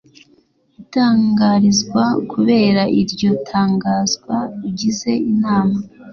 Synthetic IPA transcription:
itaːŋɡaɾizɡwakuβe̞ːɾaʔiɾɟo̞tʰaːŋɡaːzɡwaiɟize̞inaːma

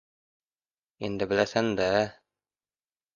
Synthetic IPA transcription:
ind̪ɘ̆bɘ̆læsæŋd̪æ

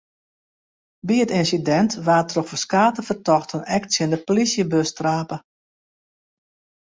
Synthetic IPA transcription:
biətɪnsidɛntʋaːtrɔxfəskaːtəfərtɔxtənɛktsjɪndəpolisjəbøstraːpə

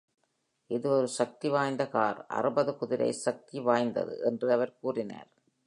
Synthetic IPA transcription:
ɪðɯɔɾɯsɐk̚t̪iʋaːjnd̪ɐkaːɾʔɐ̰rɯbɐðɯkʊðɪɾɐ̰ɪsɐk̚t̪iʋaːjnd̪ɐ̰ðɯ̰ʔɛndrɯɐʋɐɾkuːrɪna̰ːɾ

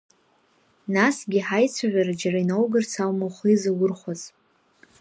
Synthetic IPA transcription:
nasɡʲiħajt͡sʷʰaʕʷᶣaɾad͡ʒarainowɡɨrt͡sʰalmowχʷizawʊrχʷaz

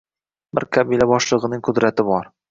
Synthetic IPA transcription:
bɪ̰ɾkʰabilabɒʃlˠɨʁɨnɪŋqʰʊd̪ɾat̪ɪbɒɾ

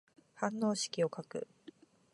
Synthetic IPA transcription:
hãnːo̞ːɕi̥kʲio̞kakɯ̟̰

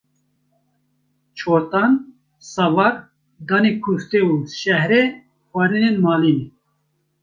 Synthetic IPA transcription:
t͡ʃʰoːɾt̪ɑn | sɑvɑɾ | d̪ɑːneːkʰust̪euːʃɛhɾe | xʷɑɾinenmɑːliːne

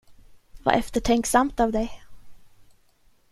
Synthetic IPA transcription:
va̰ʔɛft̪əʈʰɛŋksamt̪avd̪ɛj

